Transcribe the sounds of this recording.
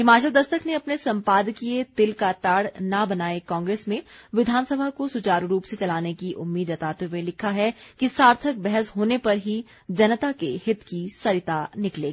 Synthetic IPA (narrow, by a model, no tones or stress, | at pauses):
ɦɪmaːt͡ʃəld̪ɐst̪əkʰneɐpnesɐ̃mpaːd̪kiet̪ɪlkat̪aːɽnabɐnaːekɔ̃ːŋɡɾeːsmẽʋɪd̪ʱaːnsəbʱakosʊt͡ʃaːɾɾuːpset͡ʃɐlaːnekiʔʊ̰mːiːd̪ɐt̪aːt̪ewelɪkʰaɦɛkisaːɾt̪ʰək̚bɛɦəsɦoːnepɐɾɦi | d͡ʒɐnət̪akehɪt̪kisɐɾɪt̪anɪkleːɡ